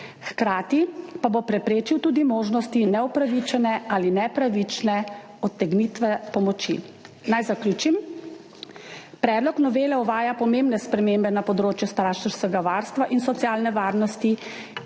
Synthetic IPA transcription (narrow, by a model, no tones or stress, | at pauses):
xkɾaːt̪ipabopɾɛpɾeːt͡ʃiwt̪uːd̪imoːʒnɔst̪inɛɔpɾaʋit͡ʃɛnɛaːlinɛpɾaʋit͡ʃnɛ | ɔt̪ːɛɡnit̪ʋɛpɔmɔt͡ʃḭ | najzaklʲuːt͡ʃim | pɾɛːd̪lɔknɔʋeːlɛɔʋaːjapɔmembnɛspɾɛmeːmbɛnapɔd̪ɾoːt͡ʃjust̪ɾaːʃɛɾskɛɡaʋaːɾst̪ʋaʔinsɔt̪sjaːlnɛʋaːɾnɔst̪i